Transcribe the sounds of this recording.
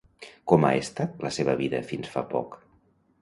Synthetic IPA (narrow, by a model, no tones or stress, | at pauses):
kɔma̰est̪ələseβəβiðə̰finsfa̰pɔ̰k